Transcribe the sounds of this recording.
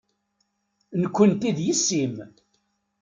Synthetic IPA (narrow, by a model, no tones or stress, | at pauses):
nəkʷːənt̪iðjisːim